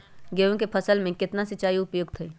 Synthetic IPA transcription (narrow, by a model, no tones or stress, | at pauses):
ɡeːõkepʰəsəlmẽkɪt̪nasɪt͡ʃaːijʊpjoːɡt̪ʰəi